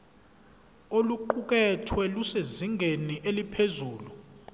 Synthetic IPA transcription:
oluǃuk̬ɛtʰwɛluseziŋɡʱeniʔelipʰezuːlu

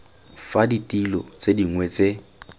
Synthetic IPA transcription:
faditʼilɔt͡sʼediŋwɛt͡sʼe

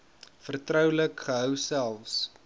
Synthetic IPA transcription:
fərtrœwləkχəɦəwsælˠfs

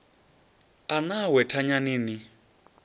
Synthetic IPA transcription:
anawɛtʰaɲaniːni

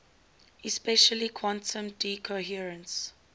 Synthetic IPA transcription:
ɪspɛʃəlikʰwɔ̃ntə̃mdiːkʰoɦiəɹə̃ns

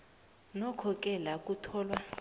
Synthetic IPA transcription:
nɔkʰɔk̬ʼɛlak̬ʼutʰɔːlwa

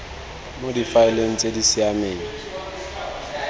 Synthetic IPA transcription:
modifaɪleŋ̩t͡sʼedisɪameːŋi

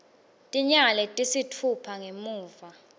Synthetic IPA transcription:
tʼiɲalɛtʼisitʰupʰaŋemuːva

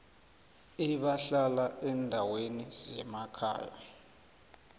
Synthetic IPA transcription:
iɓaɬalaɛndʱaweniz̥ɛmakʰa̰ːja̰

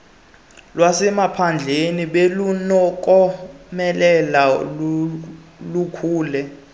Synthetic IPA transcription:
lwasɛmapʰand͡ɮʱeniɓelunɔk̬ʼɔmɛlɛla | lukʰuːlɛ

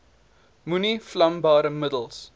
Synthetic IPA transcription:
muniflɐmbɑːɾəmədəlˠs

